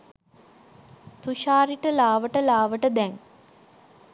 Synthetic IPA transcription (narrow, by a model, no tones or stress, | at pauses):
t̪uʃaːɾiʈəlaːʋəʈəlaːʋəʈəd̪ɛŋ